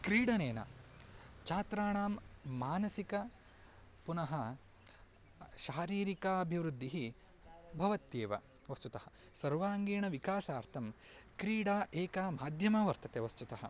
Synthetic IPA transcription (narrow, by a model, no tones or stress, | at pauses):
kɾiːɽɐneːnɐ̰ | t͡ʃaːt̪ɾaːɳaːmːaːnɐsikɐ | punɐɦɐ | ʃaːɾiːɾikaːɐbʱiʋɾud̪ʱːiɦi | bʱɐʋɐt̪jeːʋɐ̰ | ʋɐst̪ut̪ɐhɐsɐɾʋaːŋɡeːɳɐʋikaːsaːɾt̪ʰɐmkɾiːɽaːʔeːkaːmaːd̪ʱjɐmɐʋɐɾt̪ɐt̪eʋɐst̪ut̪ɐɦɐ